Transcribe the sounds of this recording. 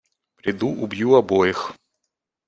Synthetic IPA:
pɾʲɪd̪uʔʊbjuɐbojɪx

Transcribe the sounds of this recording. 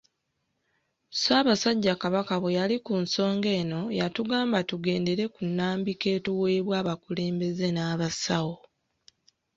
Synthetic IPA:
saːβasaɟːakaβakaβejalikunso̞ːŋɡe̞ːno̞jatuɡaːmbatuɡe̞ːnde̞ɾe̞kunːaːmbike̞ːtuwe̞ːβwaːβakule̞ːmbe̞ze̞naːβasawo

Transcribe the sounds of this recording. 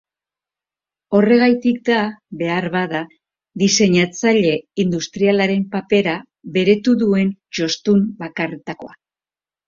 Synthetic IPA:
o̞re̞ɣ̞ajt̪ik̚d̪aβe̞aɾβaða | ðise̞ɲat͡saʎe̞ind̪ust̪ɾialaɾe̞mpape̞ɾa | βe̞ɾe̞t̪uðue̞nt͡ʃo̞st̪umbakaret̪ako̞̰a

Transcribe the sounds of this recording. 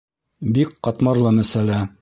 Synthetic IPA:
bik̚qɑt̪mɑɾlˠɤmæsælæ

